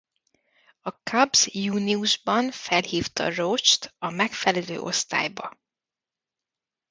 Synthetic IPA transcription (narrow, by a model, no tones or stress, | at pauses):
ɒkʰɒbz̥juːniuʒbɒnfɛlhiːft̪ɒ̰roːt͡ʃt̪ɒmɛkfɛlɛlø̰ːʔo̞̰st̪a̰ːjbɒ